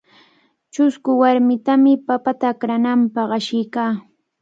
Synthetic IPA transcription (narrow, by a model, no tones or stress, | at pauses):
t͡ʃʊskʊwaɾmɪt̪amɪpapat̪aːkɾanampɑχɑʃɪjkaː